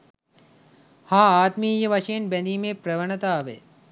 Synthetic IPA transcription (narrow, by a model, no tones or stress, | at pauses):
hãːaːt̪miːjɐʋɐʃeːnbɐnd̪iːmepɾɐʋɐɳɐt̪aːʋḛ